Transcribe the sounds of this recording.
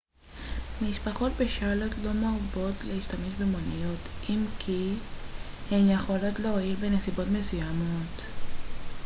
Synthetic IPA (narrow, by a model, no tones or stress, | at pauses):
miʃpaχo̞tbeʃalo̞tlo̞mabo̞tlehiʃtameʃbemonijo̞tʔimkʰi | hemjeχo̞lo̞tleoiʁbenesibo̞tme̞sujamot